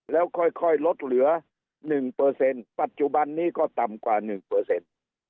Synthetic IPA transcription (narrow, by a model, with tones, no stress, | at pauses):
lɛː˦˥˩wkʰɔ˧˥˩jkʰɔ˧˥˩jlo˦˥t̪̚lɯ˨˩˦ɐ | nɯ˨˩ŋpɤː˧se˧npa˨˩t̪̚t͡ɕu˨˧˩ba˧nːiː˥˩kɔː˥˩t̪a˨˩mkwaː˨˩nɯ˨˩ŋpɤː˧se˧n